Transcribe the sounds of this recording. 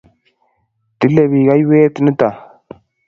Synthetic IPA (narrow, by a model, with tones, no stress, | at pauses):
tə˨˦le˨bi˨ɡa˦jwe˦tə˦nə˦ta˨